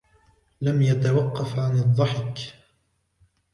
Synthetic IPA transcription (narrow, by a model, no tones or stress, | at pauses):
lamjat̪awɑqːɑfʕanɨðˤːɑħɪk